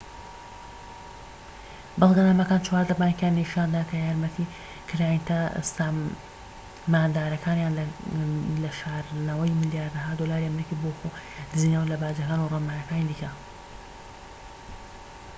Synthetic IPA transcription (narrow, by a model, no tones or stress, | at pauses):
bɨlˠɡɐnaːmɐkaːnt͡ʃwaːɾd̪ɐbaːŋkjanːiʃaːnd̪akʰɐjaːɾmɐt̪ʰi | kʰɨɾaːjint̪ʰa̰st̪a | maːnd̪aːɾɐkʰaːnjaːnl | lɐʃaːɾnɐwɐjmɨljaːɾd̪ɐɦaːd̪olaːɾiɐmɾikiboxod̪ɨziːnɐwlɐbaːd͡ʒɐkaːnuramaːjɐkaːnid̪ika